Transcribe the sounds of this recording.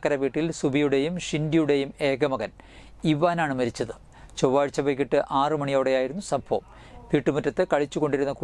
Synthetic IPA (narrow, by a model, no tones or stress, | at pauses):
kːɐɾɐʋiːʈːilsubijuɽe̞jumʂindijuɽejume̞ːɡɐmɐɣɐn | iʋaːnaːɳɨmɐɾit͡ɕːɐðɨ | t͡ɕoʋːaːɻit͡ɕːɐʋɐɣiʈːɨʔaːrɨmɐɳijo̞ːɽejaːjiɾunːusɐbʱʰoːm | ʋiːʈːɨmutːɐt̪ːekɐɻit͡ɕːuɣo̞ɳɖiɾunːɐku